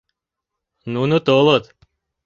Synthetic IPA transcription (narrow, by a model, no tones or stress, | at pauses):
nunut̪olˠot̪